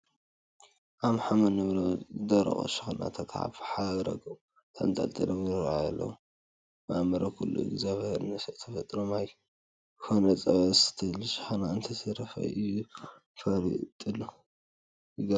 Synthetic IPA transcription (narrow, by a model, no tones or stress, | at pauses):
ʔamħamɐnɐβɾozɨd̪ɐɾɐ̰xʼo̰ʃɨ̥xna̰t̪ʰak̪ʰa̰βħaɾɐ̰ɡom | t̪ʰa̰nt̪ʼa̰lt̪ʼɨlɐmnɨɾajalːɐ̰w | mamɐɾɐkʰulːṵɪ̰ɡzaβheɾɨnɐsɐt̪ʰːɐfɐt̪ʼɾomaj | kʰonɐt͡sʼɐβɐst̪ʰɨlʃɪ̥xnaɨnt̪ʰɐsɐɾɐfɐ̰ɨju | fɐɾḭt̪ʼɨlːu | jɨɡɐ